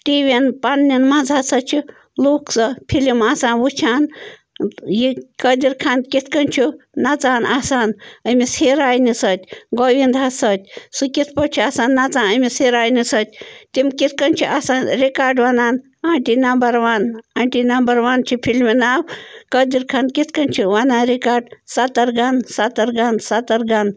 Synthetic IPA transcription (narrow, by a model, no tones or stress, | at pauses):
ʈiʋenpɐnːinmɐnzɦasɐt͡ʃʰi | luːksɐpʰilimaːsaːnʋut͡ʃʰaːn | jikəd̪iɾkʰaːnkit͡s̪ʰkɐnt͡ʃʰunɐt͡saːnaːsaːnəmiseːɾaːjnisɐt̪ʲɡoʋind̪ɦasɐt̪̚ʲsukit̪ʰpɐt͡ʃʰiaːsaːnːat͡saːnəmiseːɾaːjnisət̪̚ʲt̪imkit̪ʰkənt͡ʃʰiʔaːsaːnɾikaːɾɖʋɐnaːn | aːɳʈinɐmbɐɾʋaːnaːɳʈinɐmbɐɾʋaːnt͡ʃʰipʰilminaːwkəːd̪iɾkʰaːnkit̪kɐnt͡ʃʰiʋanaːnɾikaːɾɖsat̪ɐɾɡansat̪ɐɾɡansat̪ɐɾɡan